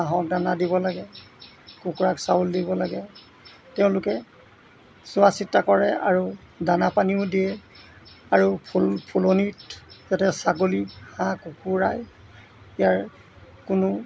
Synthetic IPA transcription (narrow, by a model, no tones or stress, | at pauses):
aɦɔk̚danadibɔlaɡɛ | kukuɹaksauldibɔlaɡɛ | tɛʊ̃lʊkɛ | sʊasitːakɔɹɛa̰ɹu | danapaniʊdiɛ | aɹupʰulpʰulonitzatɛsaɡolihãkukuɹaj | ijaɹ | kʊnʊ